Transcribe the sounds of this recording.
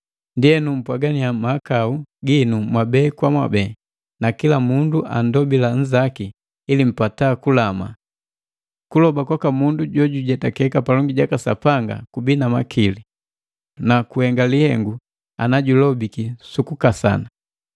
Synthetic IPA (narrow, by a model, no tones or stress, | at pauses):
ndiɛnum̩pwaɡaniamakauɡinumwabɛkwamwa̰bɛː | nakilamunduʔa̰n̩dɔbilan̩zakiː | lim̩patakulama̰ | kulɔbakwakamunduɟɔɟuɟɛtakɛkapalɔŋɡiɟakasa̰paŋɡa̰kubinama̰kʰili | nakuhɛŋɡalihɛ̰ŋɡu | anaɟulɔbikisukukasa̰na